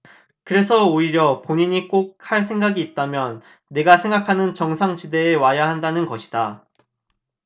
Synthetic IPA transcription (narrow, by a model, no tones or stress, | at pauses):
kɯɾe̞sʰʌoiɾjʌpoɲiɲik͈ok̚haɭsʰeŋɡaɡiːt̚t͈amjʌnː | e̞ɡasʰe̞ŋɡakʰanɯnt͡ɕʌŋsʰaŋt͡ɕide̞ːwajaɦandanɯnɡʌɕʰi̥da